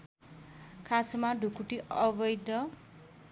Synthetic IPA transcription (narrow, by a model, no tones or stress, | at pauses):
kʰasmaɖʱukuʈiʌbʌjd̪ʌ